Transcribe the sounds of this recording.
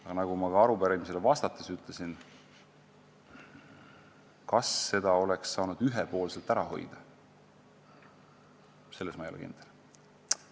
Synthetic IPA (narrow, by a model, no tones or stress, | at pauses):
ɑɡɑnɑɡ̥umɑɡɑɑɾupæɾimise̞levɑst̪ɑt̪ːˑesyt̪ːˑle̞sin | kɑsːe̞d̪̥ɑo̞le̞ksːɑːnud̪̥yɦepo̞ːlse̞lt̪æɾɑho̞̰jd̪̥ɑ | se̞lːesmɑjolḛkḭnd̪̥el